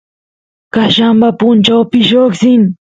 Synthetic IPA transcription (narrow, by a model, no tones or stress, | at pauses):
kaʃambapʊnt͡ʃawpɪʃoksɪm